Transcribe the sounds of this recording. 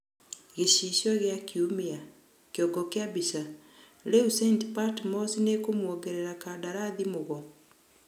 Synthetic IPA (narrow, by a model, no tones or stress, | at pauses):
ɣeʃiʃɔɣjakiumia | kjɔɡɔkjabiʃa | leusentpatmɔsinekomwɔɡɛɾeɾakadaɾaðimoɣɔ